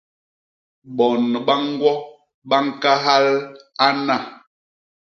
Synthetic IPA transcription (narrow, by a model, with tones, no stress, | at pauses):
ɓɔ˨n˨ɓa˦ŋ˦ɡwɔ˦ | ɓa˦ŋ̩˦ka˦ɦa˦la˦na˦˨